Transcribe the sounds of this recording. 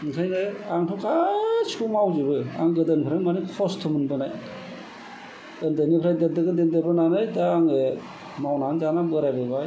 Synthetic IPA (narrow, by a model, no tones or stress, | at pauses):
nkʰajnɯaŋtʰɔkat͡ʃʰumawd͡ʒɯbɯa̰ŋɡɯdɯnbʰpʰɾamanikʰɔstʰɯmɯnbɯnaj | əndɯnipʰɾajdendɯɡɯndendebɯnanajdaːŋe | mawnanzanabɯɾajbɯbaj